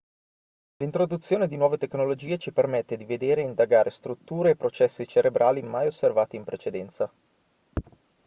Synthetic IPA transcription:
lint̪ɾod̪ut̪sːjoːned̪inwɔːvet̪eknolod͡ʒiːet͡ʃipermet̪ːed̪ived̪eːɾeind̪aɡaːɾʔest̪ɾut̪ːuːɾeːpːɾot͡ʃɛsːit͡ʃeɾebɾʔaːlimajosːervaːt̪iːmpɾet͡ʃed̪ɛnt̪sa

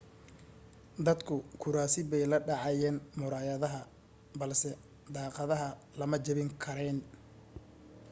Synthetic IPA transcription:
d̪ɐd̪kʰʊkʰʊɾaːsɪbɛjlɐɖɑʕɑjɛːnmʊɾaːjɐðɐɦɐ | bɐlsɛ | d̪ɑːqɑðɐɦɐ | lɐmɐt͡ʃɐβɪŋkʰɐɾɛːn

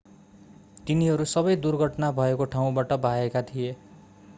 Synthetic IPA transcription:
t̪iniɦʌɾusʌbʌjd̪urɡʱʌʈnabʱʌekoʈʰaw̃baʈʌbʱaekat̪ʰije

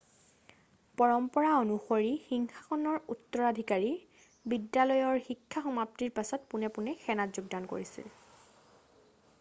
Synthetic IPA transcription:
pɔɹɔmpɔɹaonuxoɹixiŋxḁxɔnɔɹutːɔɹadʱikaɹi | bidjalɔjɔɹxikʰːaxɔmap̚tiɹpasɔtpunɛpʊnɛxɛnatzuɡ̚danko̰ɹisḭl

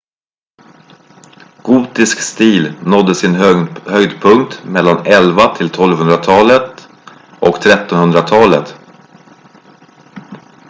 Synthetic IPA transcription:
ɡ̥uːt̪ɪskst̪iːlnɔd̪ːəsɪnhœɡd̪pʰɵŋk̚t̪mɛlːanɛlvat̪ʰɪlt̪ʰɔlvɦɵnd̪ɾat̪ʰɑːlət̪ | ʔɔkt̪ʰɾɛt̪ːɔnhɵnd̪ɾat̪ʰɑːlə̰t̪

